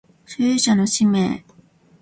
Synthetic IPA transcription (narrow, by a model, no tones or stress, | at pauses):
ɕɨːɕano̞ɕimḛː